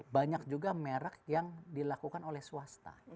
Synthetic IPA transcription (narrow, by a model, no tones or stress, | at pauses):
baɲak̚d͡ʒuɡameɾak̚jaŋdilakukanolɛhsuast̪a̰